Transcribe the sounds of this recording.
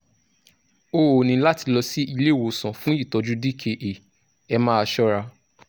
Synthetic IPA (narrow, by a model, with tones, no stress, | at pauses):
o˦o˨nĩ˧˦la˦ti˧lɔ˧si˦i˧le˦˨wo˨sã˨fũ˦i˦˨tɔ˨˧d͡ʒu˦di˦˨kʰe˧ʔe˨ | ɛ˧mãː˦a˧ʃɔ˦ɾa˧